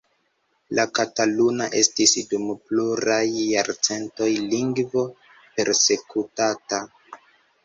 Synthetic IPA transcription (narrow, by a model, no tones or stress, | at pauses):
lakatalunaʔe̞stisdumpluɾajːaɾt͡se̞nto̞jliŋɡvo̞ | pe̞ɾse̞kutata